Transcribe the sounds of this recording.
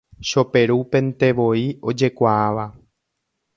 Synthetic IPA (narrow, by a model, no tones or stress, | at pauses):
ʃo̞pe̞ɾupẽ̞nt̪e̞ʋo̞io̞d͡ʒe̞kʷaaʋa